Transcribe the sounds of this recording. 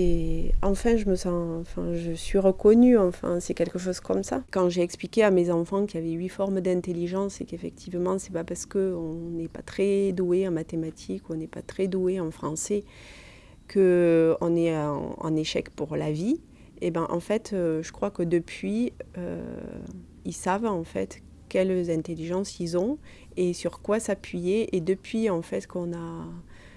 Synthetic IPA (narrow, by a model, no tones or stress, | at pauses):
eɑ̃fɛ̃ʒəməsɑ̃ɑ̃fɛ̰̃ʒəsɥiʁəkɔnyɑ̃fɛ̰̃sɛkʲɛlkəʃ̬ɔzkɔmsa̰kɑ̃ʒeɛksplikʲeamezɑ̃fɑ̃kʲiavɛɥifɔʁmd̪ɛ̃t̪eliʒɑ̃sekefɛkt̪ʰivmɑ̃sɛpapaʁsə̥kəɔ̃nɛpat̪χɛd̪ueɑ̃mat̪emat̪ʰikuɔ̃nɛpa̰t̪χɛd̪ueɑ̃fχɑ̃sɛ | kʰəɔ̰̃nɛɑ̰̃ɑ̰̃neʃɛkpuʁlavi | ebɛ̃ʔɑ̰̃fɛt̪øʒəkχwakəd̪əpɥiø̰ | ilsavɑ̃fɛ̰t̪ | kʲɛlzɛ̃t̪eliʒɑ̃silzɔ̃ | esyʁkwasapɥijeʔed̪əpɥiɑ̃fɛt̪kɔ̃na